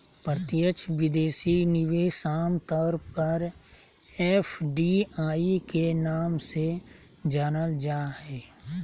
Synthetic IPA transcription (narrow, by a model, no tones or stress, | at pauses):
pɾət̪ɪjət͡ʃʰʋɪd̪eːsinɪʋeːsaːmt̪ɔɾpəɾ | ɛfɖiaːikenaːmse | d͡ʒaːnəld͡ʒaːɦɛː